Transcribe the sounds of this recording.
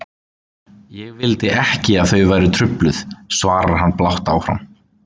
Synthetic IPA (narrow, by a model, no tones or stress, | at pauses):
jɛɣvɪlt̪ɪʔɛhcɪaðθœɥvajɾɪt̪ʰɾʏplʏθsvaːɾaɾ̥ɦanːplawht̪awfɾa̰m